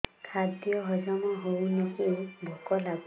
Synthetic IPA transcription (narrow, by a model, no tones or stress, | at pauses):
kʰadijɔɦɔzamɔɦownɔkubʱɔkɔlab